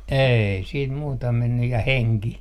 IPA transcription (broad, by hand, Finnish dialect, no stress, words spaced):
ei siːt muːtɑ menːyj jɑ heŋki